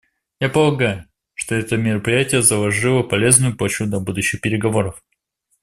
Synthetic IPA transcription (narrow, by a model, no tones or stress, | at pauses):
japəlˠɐɡajʊ | ʂt̪oɛt̪əmʲɪɾəpɾʲɪjætʲɪjəzəlˠɐʐɨlˠəpɐlʲe̞znʊjʊplˠɐt͡ɕud̪ɐbud̪ʊɕːɪxpʲɪɾʲɪɡɐvo̞ɾəf